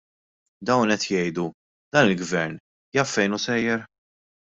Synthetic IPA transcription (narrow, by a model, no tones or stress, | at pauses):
d̪ɐwnɛt̪jɛjd̪u | d̪̥ɐːnɪlɡvɛɾn | jɐfɛjnusɛjːɛɾ